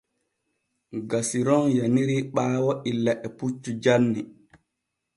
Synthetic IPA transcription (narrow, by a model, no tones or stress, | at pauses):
ɡasiɾɔnjaniɾiɓaːwɔʔilːaʔɛput͡ʃːud͡ʒanːi